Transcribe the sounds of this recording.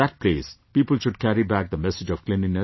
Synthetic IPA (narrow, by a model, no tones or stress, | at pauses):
æʈ̚pleːspiːpəlʃʊɖkæɾibæk̚d̪əmɛsɪd͡ʒɔʋklɪnĩnə